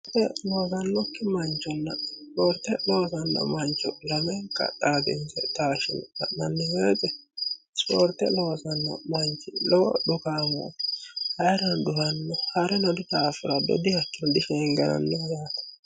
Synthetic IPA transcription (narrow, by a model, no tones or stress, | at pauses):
t̪ɛloːsɐnːɔkːɪmɐnt͡ʃːɔnːɐ̰spɔɾt̪ːɛloːsɐnːɐ̰mɐnt͡ʃɔlɐmɛŋkːɐ̰ᶑaːd̪ɪ̰nsɛ̰t̪aːʃɪ̰nɐ̰ʔnɐnːɪheːtɛ | spoːɾt̪ɛloːsɐnːɐ̰mɐnt͡ʃːɪlɔwɔ̰ɗʊkaːma̰t̪ɪ̥hɐjɾɐnd̪ʊhɐnːɔhɐɾɛnɔd̪ʊt̪aːfɪɾɐd̪ɔ̰d̪ɪhɐkːɪnɔd̪ɪʃɛŋɡɐnɐ̰nːɛjaːt̪ɐ̥